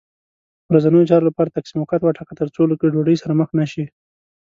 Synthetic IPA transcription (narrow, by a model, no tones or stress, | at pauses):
wɾazanəjot͡ʃɑɾolapɑɾat̪aksimawkat̪waʈʰakat̪əɾt͡soləkeɖoɖəjsaɾaməxnaʃi